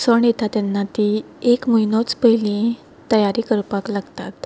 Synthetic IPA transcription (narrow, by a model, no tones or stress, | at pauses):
səɳjet̪at̪janːat̪i | ekmujnɔt͡spəilĩ | t̪əjaɾikəɾpaklaɡt̪at̪